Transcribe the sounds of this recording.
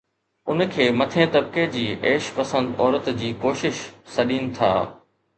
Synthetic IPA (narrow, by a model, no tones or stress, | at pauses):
ʊnkʰeːmɐt̪ʰẽt̪ɐb̚ked͡ʑiːʔeːʃpɐsə̃nd̪ɔːɾət̪d͡ʑiːkoːʃɪʃsɐɗiːnɪ̆t̪ʰa̰ː